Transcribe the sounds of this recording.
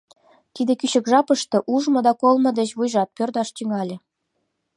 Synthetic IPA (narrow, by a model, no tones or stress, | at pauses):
t̪id̪ĕkyɕə̆kʒɑpɤ̆ʃt̪ɤ̆ʔuʒmɤ̆d̪ɑkolˠmɤ̆d̪ət͡ɕβujʒɑt̪̚pørd̪ɑʃt̪yŋɑlʲĕ